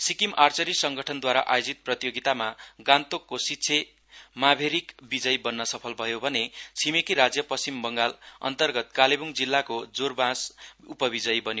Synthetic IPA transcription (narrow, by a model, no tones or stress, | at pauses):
sikimart͡sʌɾisʌŋɡʌʈʰʌnd̪waɾa̰ʔajod͡zit̪̚prʌt̪ijoɡit̪amaɡãnt̪okːositːsʰe | mabʱeɾikbid͡zʌjbʌnːʌsʌpʰʌlbʱʌjobʱʌnet͡sʰimekiɾad͡zjʌpʌst͡simbʌŋɡalʌ̰nt̪ʌrɡʌt̪̚kalebuŋd͡zilːakod͡zorbãsupʌbid͡zʌjbʌnj